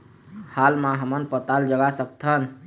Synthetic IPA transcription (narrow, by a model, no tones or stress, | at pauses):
halmaɦəmənpət̪ald͡ʒəɡasəkt̪ʰən